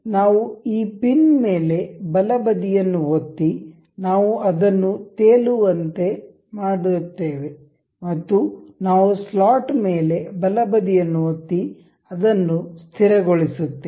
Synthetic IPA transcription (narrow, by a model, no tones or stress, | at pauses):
naːʋuiːpinme̞ːle̞bɐlɐbɐd̪ijɐnːuɦot̪ːi | naːʋuɐd̪ɐnːut̪eːluʋɐnt̪e̞ | maːɽut̪ːeːʋe | mɐt̪ːunaːʋuslaːʈme̞ːle̞bɐlɐbɐd̪ijɐnːuɦot̪ːi | ɐd̪ɐnːust̪ʰiɾɐɡoɭisut̪ːe